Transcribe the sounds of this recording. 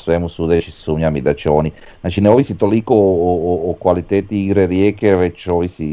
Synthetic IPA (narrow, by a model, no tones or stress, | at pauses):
swɛmusud̪et͡ʃisuɲamid̪at͡ʃɔːni | nat͡ʃineovisit̪olikoː | kwalit̪ɛt̪ːiːɡɾeɾjɛkevɛt͡ʃːovisi